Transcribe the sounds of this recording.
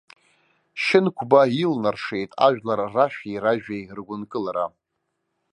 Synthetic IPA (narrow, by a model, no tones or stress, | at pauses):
ʃɪnkʷʰbailnarʂejtʼa̰ʒᶣlarraʃᶣairaʒᶣajrɡʷʊnkʼɨlaɾa